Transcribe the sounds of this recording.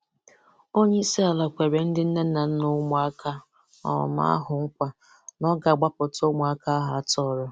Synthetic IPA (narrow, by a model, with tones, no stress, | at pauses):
o˦ɲe˦i˦si˦a˨la˨kʷe˨ɾe˨n̩˦dɪ˦n̩˦ne˦n̩˦na˨n̩˦nʊ˦mʊ˨a˦kʰa˦ | ɔ̰˨ma̰˦a̰˦ɦʊ˨ŋ̩˦kʷa˦ | nɔ˦ɡa˨ɡ͡ba˦pʊ˨to˦mʊ˨a˦ka˦ɦa˨˦˨tɔ˦˨ɾʊ˦